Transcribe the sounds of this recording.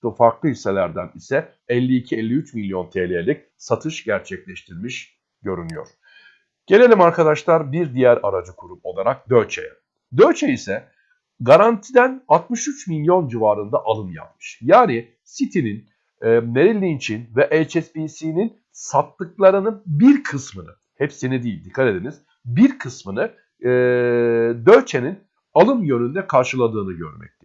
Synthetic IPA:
ofaɾklˠɯɦiselʲæɾd̪ænisɛ | ɛlʲːiːcʰiɛlʲːiyt͡ʃmilʲjo̞nt̪ʰeːlʲejelʲic̚ | sat̪ʰɯʃɟæɾt͡ʃʰɛclʲɛʃt̪ʰiɾmiʃ | ɟ̥ø̞ɾynyjo̞̰ɾ̥ | ɟ̥e̞lʲe̞lʲimaɾkʰad̪aʃlˠaɾbiɾd̪ijæɾa̰ɾad͡ʒɯkʰuɾumo̞̰lˠaɾak̚d̪øɾt͡ʃʰḛjɛ | d̪ø̞ɾt͡ʃʰɛisɛ | ɡaɾant̪ʰid̪ænalˠt̪mɯʃyt͡ʃmilʲjo̞nd͡ʒivaːɾɯnd̪aʔalˠɯnja̰p̚mɯ̥ʃjaːni | sit̪ʰininː | eɾilʲːint͡ʃʰinvɛʔɛlʲt͡ʃʰɛsbisiːnin | sat̪ːɯklˠaɾɯnɯbiɾkʰɯsmɯnɯ | hɛpsinid̪ijilʲd̪ikʰːat̪e̞d̪iniz̥ | biɾkʰɯsmɯnɯ | d̪øɾt͡ʃʰenin | alˠɯmjø̞nynd̪ɛkʰaɾʃɯlˠad̪ɯːnɯɟø̞̰ɾmɛ̰c̚t̪ʰi

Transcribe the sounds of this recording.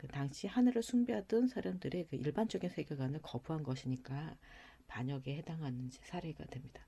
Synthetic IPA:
kɯtaŋɕʰihanɯɾɯɭsʰuŋbiɦadɯnsʰaɾamdɯɾekɯʔiɭbant͡ɕ͈ʌɡinsʰe̞ɡjeɡwanɯɭkʌbuɦanɡʌɕʰiɲik͈a | paɲʌɡehe̞daŋɦanɯnd͡ʑisʰaɾe̞ɡa̰dwe̞mɲida

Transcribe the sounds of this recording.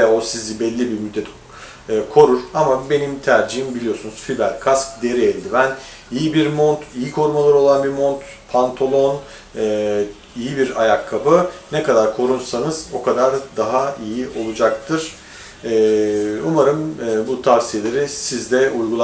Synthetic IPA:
osizibɛlʲːibiɾmyd̪ːɛt̪ | ɯːkʰo̞ɾuɾ̥amabe̞nimt̪ʰæɾd͡ʒiɦimbilʲijo̞sunuz̥fibælʲkʰask̚d̪e̞ɾɛelʲd̪ivæn | ijibiɾmo̞nt̪ʰijikʰo̞ɾmalˠɯɾo̞lˠanbiɾmo̞nt̪ | pʰant̪ʰolˠo̞n | ɯː | ijibiɾajakʰːapɯnɛkad̪aɾkʰo̞ɾunsanɯz̥o̞kʰad̪aɾd̪aɦaijiʔo̞lˠud͡ʒak̚t̪ʰɯɾ̥ | ɛumaɾɯmːbut̪ʰaɾsijelʲe̞ɾisizd̪ɛujɡulˠ

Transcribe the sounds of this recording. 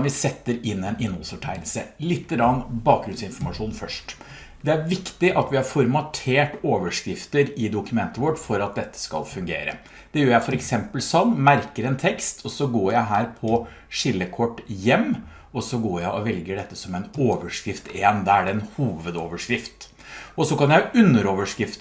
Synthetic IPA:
ʋɪsɛt̪ːəɾɪnːɛnɪnhɔlsfɔʈʰæɪlsəlɪt̪ːəɡɾɑnːbɑːk̚ɡɾʉnsɪnfɔɾmɑʂuːnfœʂʈ | d̪ɛæɾʋɪkt̪ɪʔɑt̪ʋɪhɑɾfɔɾmɑt̪ʰeːʈoːʋəʂkɾɪft̪əɾɪd̪ʊkʉmɛnt̪əʋɔʈːfɔɾɑt̪̚d̪ɛt̪ːə̥skɑ̰lfʉŋɡḛːɾə̰ | d̪̥ɛjøːɾjæɪfɔɾɛksɛmpəlsɔnmæɾkəɾɛnt̪ʰɛkst̪ʰɔsɔɡoːjæɪɦæːɾpʰɔ | ʂɪlːəkʰɔʈːjɛmː | ɔsɔɡoːɾjæɪʔɔʋɛlɡəɖɛt̪ːəsɔmɛɪnoːʋəʂkɾɪft̪eːnd̪ɑæɖɛɛnhuːʋəd̪oːʋəʂkɾɪft̪ | ɔsɔkɑnjæɪʉnːəɾoːʋəʂkɾɪft̪

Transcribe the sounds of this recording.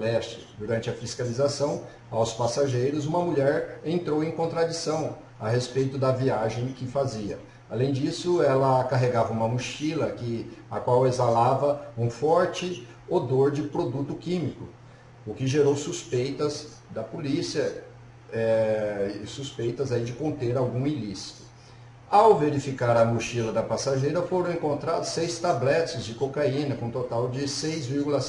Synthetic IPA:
alɛst͡ʃɪd̪uɾɐ̃nt͡ʃɪɐfiskalizasɐ̃w̃ | awspasaʒejɾʊzũmɐmuʎɛɾẽnt̪ɾowẽj̃kõnt̪ɾad͡ʒisɐ̃w̃ | aɦespejt̪ʊd̪ɐviaʒẽj̃kɪfaziɐ | alẽj̃d͡ʒisʊɛlɐakaɦeɡavɐũmɐmuʃilɐkɪa̰kwawezalavɐũfɔɾt͡ʃɪ | od̪oɾd͡ʒɪpɾod̪ut̪ʊkĩmikʊ | ʊkɪʒeɾowsuspejt̪ɐz | d̪ɐpolisiɐ | ɛ | ɪsuspejt̪ɐzaid͡ʒɪkõnt̪eɾawɡũilisi̥t̪ʊ̥ | awveɾifikaɾɐmuʃilɐd̪ɐpasaʒejɾɐfoɾɐ̃w̃ẽŋkõnt̪ɾad̪ʊsejst̪ablɛt͡ʃɪzd͡ʒɪkokaĩnɐkõt̪ot̪awd͡ʒɪsejzviɾɡulɐs

